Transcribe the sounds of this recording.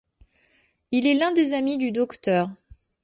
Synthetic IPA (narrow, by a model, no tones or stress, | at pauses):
ilɛlɛ̃d̪ezamid̪yd̪ɔkt̪œːʁ